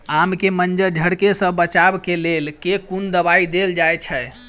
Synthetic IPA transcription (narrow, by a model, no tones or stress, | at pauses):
amkemənd͡ʒəɾd͡ʒʱəɽkesə̃bət͡ʃabkelelkekund̪əβaid̪eld͡ʒajt͡ʃʰɛ